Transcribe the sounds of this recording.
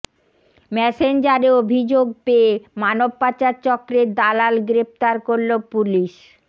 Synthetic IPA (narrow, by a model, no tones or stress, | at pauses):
mɛsend͡ʑaɾeobʱid͡ʑoɡpeːmanob̚pat͡ɕaɾt͡ɕɔkːɾed̪alalɡɾeft̪aɾkoɾlopuliʃ